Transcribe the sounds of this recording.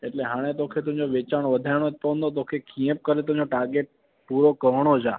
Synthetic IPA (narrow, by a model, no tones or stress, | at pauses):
eʈleɦaɽ̃et̪̬okʰet̪̬ũd͡ʒoʋet͡ʃaɽ̃ʋəd̪ʱajɽ̃ot̪ond̪ot̪̬okʰekʰijə̃p̚kəɾet̪ũd͡ʒoʈaɾɡeʈ̚ | puɾokəɦɽ̃od͡ʒa̰